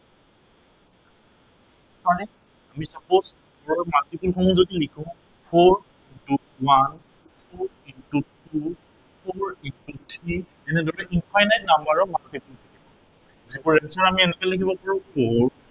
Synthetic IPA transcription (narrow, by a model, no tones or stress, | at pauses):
aɹɛ | amisapos | ɔɹɔmatipulxɔmuzodilikʰɔ̃ | pʰɔɹ | du | wan | pʰɔɹ | intutu | pʰɔɹintutʰɹi | ɛnɛdɔɹɛʔinpʰajnajt̚nambaɹɔmantipultakʰibɔ | zibuɹɛnsɔɹamiɛnɛkɛlakibɔpaɹʊ̃pʰoɹ